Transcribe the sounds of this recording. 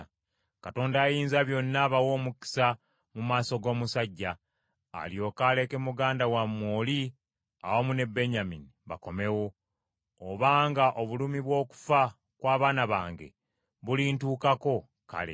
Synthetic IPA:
kato̞ːndaːjiːnzaβjo̞nːaβawo̞ːmuki̥sa | mumaːso̞ɡo̞ːmusaɟːa̰ː | ljo̞ːkaːle̞ke̞muɡaːndawamːwoːli | a̰womune̞be̞ɲaminiβa̰ko̞me̞wo̞ː | βaːŋɡaʔo̞βulumiβwo̞ːku̥fa | kwaːβaːnaβaːŋɡe̞̰ | βulintuːkako̞ | ka̰lḛ

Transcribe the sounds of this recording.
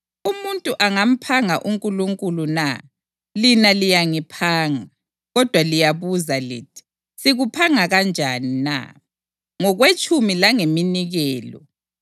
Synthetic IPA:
umuntʼuʔaŋam̩pʰaŋaʔuŋkʼuluŋkʼuluna̰ | linalijaŋipʰaːŋa | ɣɔd̥ʱwalijaβuzalḭːtʰi̥ | siɣupʰaŋaɣand͡ʒʱanina̰ | ŋɔɣwet͡ʃʼumilaŋeminiɣɛːlɔ̰

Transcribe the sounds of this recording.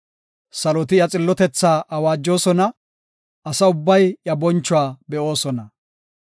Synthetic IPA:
sɐlɔt̪ɪjɐt͡sʼɪlːɔt̪ɛt͡sːaːʔɐwaːd͡ʒːo̞ːsɔnɐ | ɐsɐʊbːɐjjɐbɔnt͡ʃːʊwaːbɛʔo̞ːsɔnɐ

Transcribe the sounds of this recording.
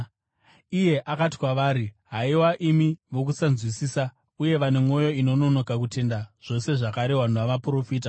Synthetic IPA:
ije̞ʔakati̥kwaʋaːɾiɦaiwaʔimiʋo̞k̬usanzwisiːsa | uje̞ʋanemo̞jo̞ino̞no̞no̞kak̬ute̞ndaʐ̥o̞se̞ʐakaɾe̞ɦwan̤uʋaʋapuro̞fiːt̬a

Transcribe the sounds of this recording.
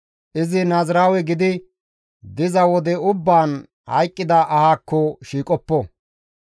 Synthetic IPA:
ʔɪzɪnaːzɾaːwɛɡɪd̪ɪ | d̪ɪzɐwɔd̪ɛʊbːaːn | hɐ̰jkʼːɪd̪ɐʔɐhaːkːɔʃiːkʼɔpːɔ

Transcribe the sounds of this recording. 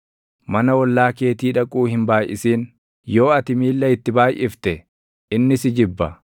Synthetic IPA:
mɐnɐwɔlːaːke̞ːt̪iːᶑɐkʼuːhɪmbaːjʔɪ̰siːn | jo̞ːɐt̪ɪmiːlːɐɪt̪ːɪbaːjʔɪft̪ɛ | ʔɪnːɪsɪd͡ʒɪbːɐ

